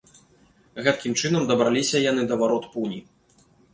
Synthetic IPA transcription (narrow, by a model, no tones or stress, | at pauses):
ɣɛt̪̚kʲimt͡ʂɨn̪ɐmd̪ɐbɾalʲisʲɐjan̪ɨd̪ɐvaɾɔt̪punʲi